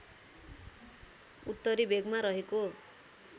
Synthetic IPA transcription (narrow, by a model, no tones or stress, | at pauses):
ut̪ːʌɾibeɡmaɾʌɦeko